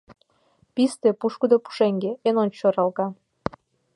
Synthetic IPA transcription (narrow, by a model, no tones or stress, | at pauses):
pist̪epuʃkud̪opu̥ʃeŋɡeenont͡ɕoɾɑlɣɑ